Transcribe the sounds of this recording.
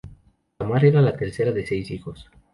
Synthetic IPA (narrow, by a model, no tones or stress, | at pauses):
amaɾeɾalat̪e̞ɾseɾaðesejsixo̞s